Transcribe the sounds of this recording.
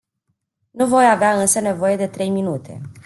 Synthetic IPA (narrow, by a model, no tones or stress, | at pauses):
nuvo̞javeaɨnsəne̞vo̞je̞d̪e̞t̪ɾe̞jminut̪ʰe̞̰